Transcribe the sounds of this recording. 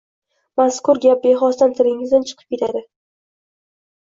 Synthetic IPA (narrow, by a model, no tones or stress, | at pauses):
maskʊɾɡʲap̚beɦɒst̪ant̪ʰɪɾɪŋɪzd̪ant͡ʃʰɨ̥qʰɨp̚kʲʰe̞t̪ʰad̪ɪ